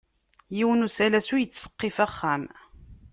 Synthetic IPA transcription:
jiwənusælæsujət͡sːsə̥qːifæχːæm

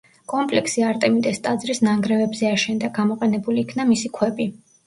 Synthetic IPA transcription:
kʼɔmpʼlɛkʰsiaɾt̪ʼɛmit̪ʼɛst̪ʼad̪zɾisnaŋɡɾɛvɛbzɛaʃɛnd̪aɡamɔqʼɛnɛbuliːkʰnamisikʰwɛbi

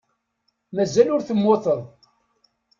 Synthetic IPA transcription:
mæzælʊɾθəmːoθəðˤ

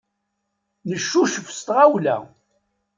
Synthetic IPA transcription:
nəʃːuʃəfst̪ʁawlæ̰

